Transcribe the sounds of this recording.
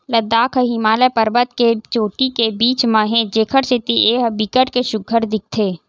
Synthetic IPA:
ləd̪ːaːkʰəɦimaːlepəɾbət̪ket͡ʃoːʈikebiːt͡ʃmãːɦẽd͡ʒeːkʰəɽsɪt̪iʔeːɦbɪkəʈkeʃʊɡʱəɾd̪ɪk̚t̪ʰeː

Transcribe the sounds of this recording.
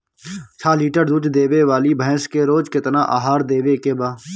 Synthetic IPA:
t͡ʃʰaːliːʈəɾd̪ʊt͡ʃd̪eːʋeːʋaːliːbʱə̃ːskeɾoːd͡ʒkɪt̪naːʔa̰ːɦaːɾd̪eːʋeːkeːbaː

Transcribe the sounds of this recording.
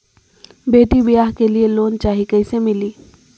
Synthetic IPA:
beːʈibɪjaːɦkelieloːnt͡ʃaːɦikɐɪsemɪliː

